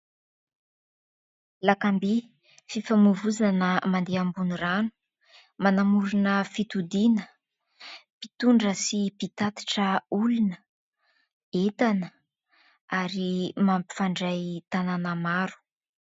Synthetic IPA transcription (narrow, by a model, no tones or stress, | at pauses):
lakambi | fifamuvuzanəmand̪eambuniranu̥ | manamuɾunəfit̪ud̪inə | pit̪uɳɖ͡ʐəsipit̪at̪i̥ʈ͡ʂəulunə | et̪anə | aɾimampi̥faɳɖ͡ʐajt̪ananəmaɾu̥